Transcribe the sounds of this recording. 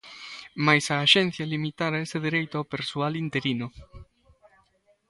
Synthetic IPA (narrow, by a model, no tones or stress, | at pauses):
majsaːʃɛn̟θjalimit̪aɾaeseðeɾejt̪ʊawpeɾsualint̪eɾinʊ